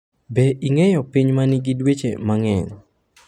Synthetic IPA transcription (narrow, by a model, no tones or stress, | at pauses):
bɛʔiŋɛjɔpiɲmanɪɡidwet͡ʃḛmaŋɛɲ